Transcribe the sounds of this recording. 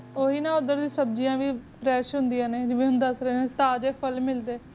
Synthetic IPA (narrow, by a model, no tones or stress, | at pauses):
oːɦiːnãːʊd̪əɾd̪ĩːsəb̚d͡ʒijãːʋiːpɾɛːʃɦʊnd̪ijãːneːd͡ʒɪʋẽːɦʊnd̪əsɾeːneːt̪aːd͡ʒeːpʰəlmɪld̪eː